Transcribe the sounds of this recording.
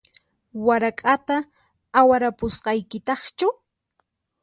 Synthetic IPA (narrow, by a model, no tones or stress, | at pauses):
waɾakʼat̪aː | waɾapʊsqɑjkɪt̪ɑχt͡ʃaw